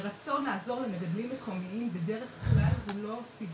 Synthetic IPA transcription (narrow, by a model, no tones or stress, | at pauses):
ʁat͡so̞nːaːzo̞ʁlemeɡadlimːekʰo̞miimbede̞ʁe̞χvalulo̞sib